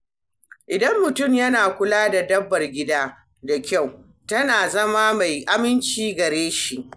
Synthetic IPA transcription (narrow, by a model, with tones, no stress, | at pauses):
ʔɪ˨dɐ˦mːʊ˨tʊ˦˨mjɐ˦naː˨kʷʊ˦laː˦da˨dɐ˦bːɐ˨rɡʲɪ˦daː˦ | da˨kʲa˦˨w | tɐ˦naː˨zɐ˦maː˦ma˨jʔa˦mɪ˦nt͡ʃiː˦ɡɐ˨ɾeː˦ʃi˦ʔ